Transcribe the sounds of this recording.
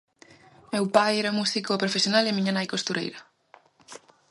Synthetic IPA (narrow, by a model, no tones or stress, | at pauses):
mewpajɛɾamusikoːpɾofesjonalɪmĩɲanajkost̪uɾḛjɾɐ